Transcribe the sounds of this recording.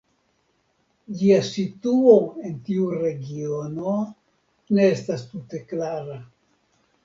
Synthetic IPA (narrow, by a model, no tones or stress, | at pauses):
d͡ʒiasituo̞e̞ntiuɾe̞ɡio̞no̞ | ne̞estastute̞klaɾa